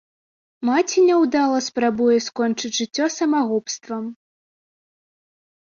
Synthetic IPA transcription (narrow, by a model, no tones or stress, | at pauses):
mat͡sʲinʲɛwd̪alˠɐspɾabujɛskɔnt͡ʂɨt͡sʲʐɨt͡sʲːɔsɐmaɣɔpst̪vɐm